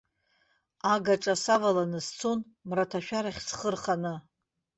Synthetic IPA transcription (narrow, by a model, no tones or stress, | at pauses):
aɡaʈ͡ʂʼasavalanɨst͡sʰon | mratʰaʃᶣaɾaχʲsχərχanɨ